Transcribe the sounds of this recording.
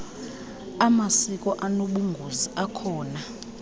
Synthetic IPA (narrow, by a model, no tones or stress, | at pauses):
amasikʼɔʔanoɓuŋɡʱuziʔakʰɔːna